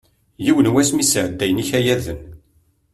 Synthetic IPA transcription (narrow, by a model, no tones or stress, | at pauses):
jiwənwæsmisəʕd̪ːæjniçæjæðən